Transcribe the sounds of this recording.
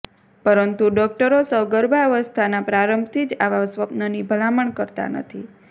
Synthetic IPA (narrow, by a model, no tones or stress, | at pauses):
pəɾənt̪uɖɔk̚ʈəɾosəɡəɾbʱaəʋəst̪ʰanapɾaɾəmbʱt̪ʰid͡ʒaʋasʋəpnənibʱəlaməɳkəɾt̪a̰nə̰t̪ʰi